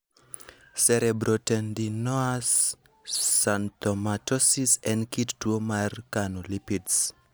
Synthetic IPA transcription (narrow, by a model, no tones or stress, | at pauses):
sɛɾɛbɾotɛndinɔasː | antɔmatɔsisɛ̃ndkittuomarkanolipits